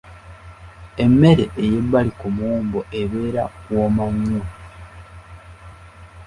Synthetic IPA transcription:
e̞mːeɾe̞ʔejebːalikumuːmbo̞ʔeβe̞ːɾa̰woːmaɲːo

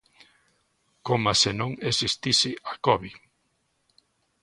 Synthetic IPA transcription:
komasenõŋesist̪isɪʔakɔβi

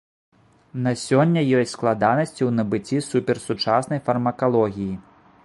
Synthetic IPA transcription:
nɐsʲɔnʲːɐjɔsʲtʲsklˠad̪anɐsʲt͡sʲiwnɐbɨt͡sʲisupʲɛrsut͡ʂasnɐjfɐrmɐkalˠɔɣʲiji

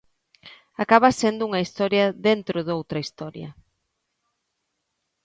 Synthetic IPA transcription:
akaβɐsend̪ʊuŋɐist̪ɔɾjɐðent̪ɾʊðowt̪ɾɐist̪ɔɾjɐ̰

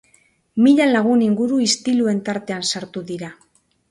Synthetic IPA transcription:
miʎalaɣ̞uniŋɡuɾuist̪ilue̞nt̪aɾt̪e̞ansaɾt̪uðiɾa

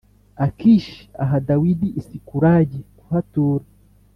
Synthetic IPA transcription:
akiʃia̰ɦadawidiʔːsikuɾaɟiku̥hatuːɾa

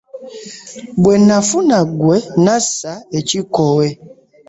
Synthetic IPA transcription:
bwɛnãfunaɡwɛnãsaɛt͡ʃikɔwɛ

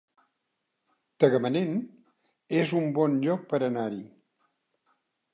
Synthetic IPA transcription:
t̪əɣəmənen | ezumbɔnʎɔk̚pəɾənaɾi

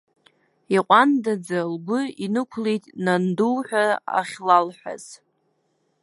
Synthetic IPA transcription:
iqʷʼandad͡zalbʊinɨkʷʰlejtʼnanduwħʷᶣaa̰χʲlalħʷᶣa̰z̥

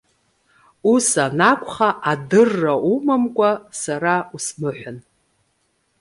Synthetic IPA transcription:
usanakʷʼχaʔadɨrːaumamkʷʼasaɾausmɨħʷᶣan

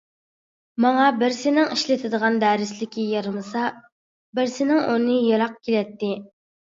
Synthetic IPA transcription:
mɑŋɑbɪɾsɪnɪŋiʃlɪt̪ʰɪd̪əʁɑnd̪æːɾɪslɪkʲʰijɑɾmɨsɑ | bɪɾsɪnɪŋunɨjɑɾɑq̚kʲʰelɛt̪ːɪ

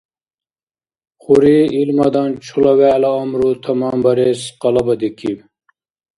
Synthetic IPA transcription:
χuɾiilmɐd̪ɑnt͡ʃʰulɐwæːlɐːmɾut̪ʰɐmɑːmbɐɾeːsqɑlɐbɐd̪ikiw

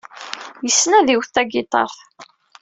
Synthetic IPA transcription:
jəsːnæðiwθæɡɪt̪ˤɑ̰ɾˤ

